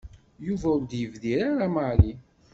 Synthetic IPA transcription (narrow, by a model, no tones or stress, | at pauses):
juvæʊɾd̪jəvðiɾaɾamaʕli